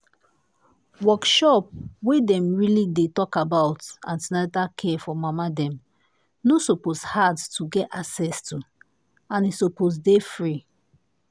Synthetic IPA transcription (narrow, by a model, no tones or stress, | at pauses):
wɔkʃɔp̚wedɛ̃mɹilidetɔkabaʊtã̰nsnadakʰɛfɔmamadɛ̃m | nosɔposhadtʰuɡɛtaksɛstʰu | ãnisoposdefɹi